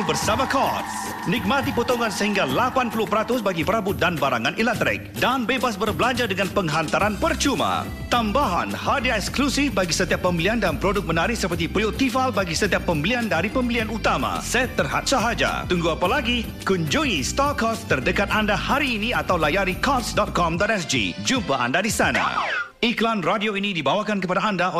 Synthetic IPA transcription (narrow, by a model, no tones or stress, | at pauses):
bərsamakɔt̚ | nik̚mãt̪ipot̪oŋãnsəhiŋɡalapanpulʊpəɾat̪ʊsbaɡipəɾabʊt̪̚danbaɾaŋãnilɛk̚t̪ɾɪ̰k̚danbebasbərbəlaɲd͡ʒadəŋãnpəŋɦant̪aɾanpərt͡ʃuma̰ | t̪ambaɦa̰nhadiaɛksklusɪfbaɡisət̪iapːəmbiliandanpɾodʊk̚mənaɾɪhsəpərt̪ipɾiot̪ifalbaɡisət̪iapːəmbiliandaɾipəmbilianut̪ama̰sat̪ərɦa̰t̪̚saɦad͡ʒa̰t̪uŋɡuapalaɡi | kuɲd͡ʒuŋist̪ɔkast̪ərdəkat̪̚andahaɾiːnĩat̪awlajaɾikɔsdɔt̪̚kɔmdɔt̪̚ɛsd͡ʒḭd͡ʒumpaa̰ndadisana̰ | iklanradioinĩdibawakankəpadaandao